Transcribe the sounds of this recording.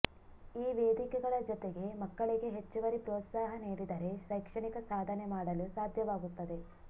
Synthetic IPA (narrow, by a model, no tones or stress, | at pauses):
iːʋeːd̪ikɛɡɐɭɐd͡ʒɔt̪eɡe̞mɐkːɐɭiɡe̞ɦet͡ʃːuʋɐɾipɾoːt̪saːɦɐneːɾid̪ɐɾe̞ʃɐjkʂɐɳikɐsaːd̪ʱɐnemaːɽɐlusaːd̪ʱjɐʋaːɡut̪ːɐd̪e̞